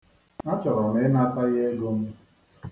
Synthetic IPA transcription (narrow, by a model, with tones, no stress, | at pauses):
na˦t͡ʃɔ˨ɾɔ˨nɪ˦na˦ta˦ɣe˦ɡo˦m̩˦